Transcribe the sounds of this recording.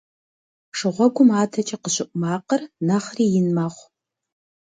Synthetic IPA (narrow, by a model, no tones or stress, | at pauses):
ʂɨʁʷɔɡʷʊmaːtʰɐt͡ʃʼɐqəɕʼɪʔʷʼʊmaːqərnɐχriːjɪnmaːχʷ